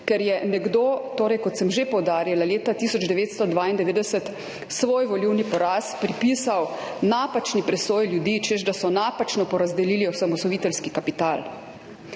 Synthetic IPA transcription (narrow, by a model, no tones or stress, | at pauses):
kɛɾjɛnɛɡd̪oːt̪oːɾɛjkɔt̪sɛmʒepɔwd̪aːɾjalaleːt̪at̪isɔd͡ʒd̪ɛʋeːt̪st̪ɔd̪ʋaːind̪ɛʋeːd̪ɛsət̪ | sʋoːjʋɔliwnipɔɾaːspɾipisaw | napat͡ʃnipɾɛsoːjljud̪iːt͡ʃɛzd̪asɔnapat͡ʃnɔpɔɾazd̪ɛliːliɔsamɔsɔʋiːt̪ɛlskikapit̪aːl